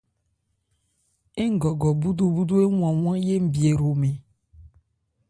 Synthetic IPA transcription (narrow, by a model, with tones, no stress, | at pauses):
e˦ŋ̩˦ɡɔ˨ɡɔ˨bu˦d̪o˦bu˦do˦e˦wwã˨w̃ã˦je˦m̩˨bi˨e˨ɾo˨me˨